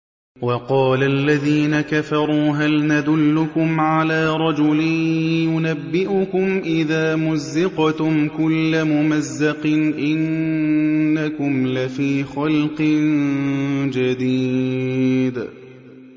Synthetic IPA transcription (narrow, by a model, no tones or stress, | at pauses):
wɑqɑːlaʔlːaðiːnakafɑɾˤuːɦalnad̪ʊlːʊkʊmʕalaːɾˤɑd͡ʒʊlɪnjʊnabːɪʔʊkʊmʔɪðaːmʊzːɪqt̪ʊmkʊlːamʊmazːɑqɨnʔɪnː | akʊmlafiːxɑlqɪn | d͡ʒad̪iː | d̪